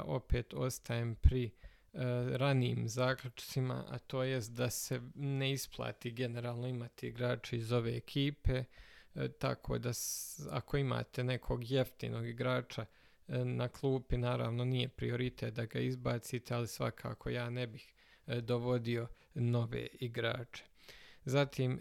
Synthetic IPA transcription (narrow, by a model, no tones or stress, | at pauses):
o̞̰peːt̪o̞st̪ʰaeːmpɾi | ɾaniiːmzaːklʲut͡ʃt̪sima̰a̰t̪o̞ːjest̪̚d̪ase̞neisplˠa̰ːt̪iɡene̞ɾaːlˠno̞imat̪iiɡɾaːt͡ʃeizo̞ʋe̞ːekʰiːpe̞ | t̪a̰kʰo̞̰ːd̪asa̰kʰo̞ima̰ːt̪e̞ne̞kʰo̞ɡje̞ft̪ḭːno̞ːɡiɡɾaːt͡ʃa | nakʰlˠuːpinaːɾa̰ːʋno̞nije̞pɾḭo̞ɾit̪et̪̚d̪aɡaizbaːt̪sit̪ʰealisʋa̰kʰa̰ːkʰo̞jaːnebix | d̪oʋo̞d̪io̞ | no̞ʋe̞̰iɡɾa̰ːt͡ʃe̥zat̪ʰiːm